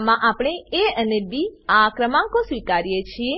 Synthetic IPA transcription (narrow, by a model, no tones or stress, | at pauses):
mãʔapɽ̃eeənebiakɾəmãkosʋikaɾjet͡ʃʰie